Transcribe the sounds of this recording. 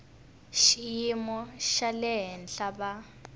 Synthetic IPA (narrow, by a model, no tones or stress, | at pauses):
ʃijimɔʃalɛɦɛnɬaba